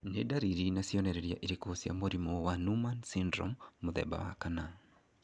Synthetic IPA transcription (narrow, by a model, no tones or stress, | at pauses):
nedaɾiɾinasiɔnɛɾɛɾja̰ʔiɾekosija̰moɾimɔwanumansindɾɔ̰mːoðɛ̰ba̰wa̰kana